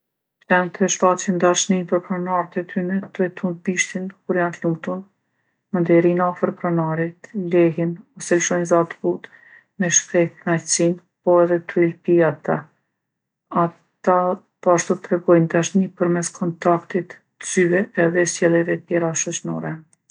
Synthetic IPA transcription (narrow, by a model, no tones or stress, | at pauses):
tɛnt̪ʰɛʃfat͡ɕind̪aʃninpəɾpɾanaɾt̪ɛt̪ʰynɛt̪ɾɛt̪ʰunbiʃt̪inkuɾjant̪luŋɡt̪un | mənd̪ɛɾinafəɾpɾanaɾit̪lɛɦinɔsɛlʃɔjnzat̪put̪ | mɛʃkɾɛjt̪najsin | pɔɛðɛt̪ɾilpiat̪a | a | t̪a | pɔaʃt̪ut̪ɾɛɡɔjnd̪aʃnipəɾmɛskʰɔnt̪akt̪it̪ | z̥yɛɛðɛsɛlˠɛvɛt̪jɛɾaʃɔt͡ɕnɔ̰ɾɛ